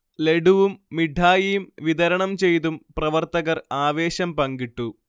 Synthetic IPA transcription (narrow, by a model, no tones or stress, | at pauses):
leɖuʋumːiɖʱaːjijumʋid̪ɐɾɐɳɐmt͡ɕe̞jt̪umprɐʋɐrt̪ɐɣɐraːʋe̞ːɕɐmpɐŋɡiʈːu